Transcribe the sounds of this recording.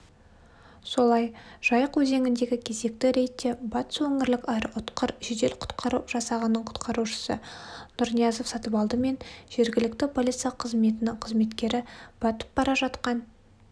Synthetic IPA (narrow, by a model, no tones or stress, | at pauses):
so̞lˠɑjʒ̥ɑjəqwɵze̞ŋɪnd̪e̞ɡʲɪkʲʰe̞se̞kt̪ɪɾe̞t̪ːe̞bɑt̪swɵŋɡɪɾlɪkɑɾʊt̪qəɾʒɪd̪e̞lɪqʰʊ̥t̪qʰɑɾuʒ̥ɑsɑʁɑnːəɴqʰʊ̥t̪qʰɑɾuʃə̥sə̰nʊɾnijɑzo̞fsɑt̪əpɑlˠd̪əme̞nʒ̥e̞ɾɡʲɪlɪk̚t̪ɪpʰo̞lʲit̪sɨjaqʰəzme̞t̪ɪnɪɴqʰəzme̞t̪kʲe̞ɾɪb̥ɑt̪ə̥p̚bɑɾɑʒɑt̪qɑn